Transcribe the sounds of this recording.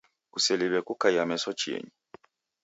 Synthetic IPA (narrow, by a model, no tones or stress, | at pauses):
kusɛliβɛkukajamɛsɔt͡ʃiɛ̰ɲi